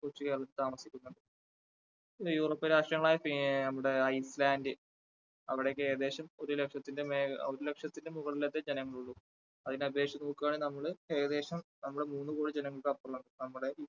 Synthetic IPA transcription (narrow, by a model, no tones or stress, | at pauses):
kot͡ɕːuke̞ːɾɐɭɐt̪ːlt̪aːmɐsi̥kʲːunːuɳɖɨ | juːroːpːɐɾaːʂʈrɐŋːɐɭaːjɐfinɐmːuɽe̞ɐjslaːndɨ | ɐʋiɽekːeːɐd̪e̞ːɕɐmo̞ɾule̞kʂɐt̪ːindemeːoɾule̞kʂɐt̪ːinde̞muɣɐɭilet̪ːed͡ʑenɐŋːɐɭuɭːu | ɐðinɐbe̞ːkʂjɐmnuːkːaːɳinɐmːɐɭɨeːɐðe̞ːɕɐmnɐmːuɽe̞muːnːɨko̞ːɽid͡ʑenɐŋːɐɭkɨɐpːrɐuɳɖɨnɐmːuɽe̞